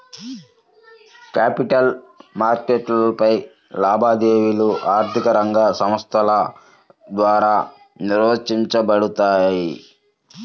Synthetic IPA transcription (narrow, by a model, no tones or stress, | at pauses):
kaːpiʈɐl | maːɾkeːʈlɐpɐj | laːbʱaːd̪eːʋiluʔaːɾt̪ʰikɐɾɐŋɡaːsɐmɐst̪ʰɐlɐ | d̪ʋaːɾaː | niɾʋɐt͡ʃiɲt͡ʃɐbɐɽut̪aːjji